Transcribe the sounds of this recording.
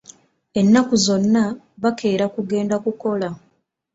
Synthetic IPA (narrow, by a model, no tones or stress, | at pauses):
e̞nːakuzo̞nːa | βakʰe̞ːɾakuɡe̞ːndakuko̞la